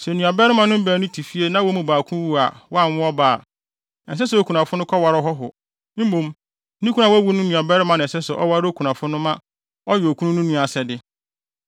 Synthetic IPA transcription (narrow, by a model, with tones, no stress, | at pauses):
sɛ˨nũ˨a˨bɛ˦ɾɪ˦mã˨nʊ̃˦m̩˦bæ˨nʊ̃˦tʰi˨fi˦e˦nã˦wɔ˦mũ˨baː˨kʰũ˦wu˦a̰˨wɔ˦a˦˨n˦ʊ̃˦ɔ˦ba̰ː˨ | ɛ̃˨ns̬ɛ˦sɛ˨˦o˨kʰu˨nã˨fʊ˦nʊ̃˦kʰɔ˦wa˨˦ɾɔ˦ɦɔ˦ɦʊ˨ | m̩˦mũ˨m˦ | nĩ˦kʰu˦ã˨wæ˦wu˦nʊ̃˦nũ˨a˨bɛ˦ɾɪ˦mã˨nɪ̃˨sɛ˦sʊ˨ʔɔ̰˦wa˦ɾo˦kʰu˨nã˨fʊ˦nʊ̃˦mã˦ | ɔ˦jo˨kʰũ˦nʊ̃˦nũ˦nũ˦˨a˨sɛ˨dɪ˦